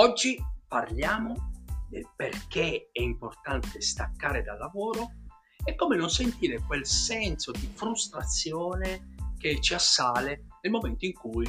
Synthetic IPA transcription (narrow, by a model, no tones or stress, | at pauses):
ɔd͡ʒːiparljaːmod̪elperkeɛimport̪ant̪est̪akːaːɾed̪alːavoːɾo | ɛkːoːmenonsent̪iːɾekwelsɛnsod̪ifɾust̪ɾat̪sːjɔːneket͡ʃːiasːaːlenelmomɛnt̪oiŋkuj